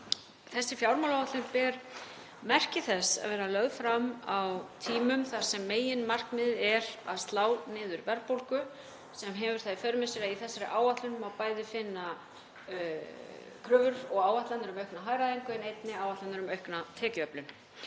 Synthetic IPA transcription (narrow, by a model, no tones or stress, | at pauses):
θɛsːɪfjawɾmawlawat̪lʏnpɛɾ | mɛr̥cɪθɛsːa̰ðvɛːɾalœɣðfɾamawt̪ʰiːmʏmθḁsɛmːeːjɪnmar̥kmɪðɛɾa̰ðst̪laːwnɪːðʏɾvɛɾpowlkʏ | sɛmɦɛvʏɾ̥θajfœɾʏmɪsiɾaiθɛsːaɾɪʔaːwvaht̪lʏnʏmawpaːjðɪfɪnːa | kʰɾʏvʏɾɔɣaːwvat̪lanʏɾʏmœɥhknaɦaːjɾaðeŋkʏɛnejt̪nɪaːwvat̪lanʏɾʏmœɥhknat̪ʰɛːcʏœplʏn